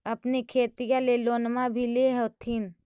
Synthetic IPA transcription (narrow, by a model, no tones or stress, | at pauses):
ɐpnekʰeːt̪ijãleloːnmabʱileɦot̪ʰiːn